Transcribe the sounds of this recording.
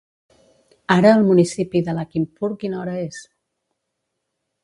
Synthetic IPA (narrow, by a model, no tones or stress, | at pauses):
aɾəːlˠmunisipiðəlakimpuɾkinɔɾəes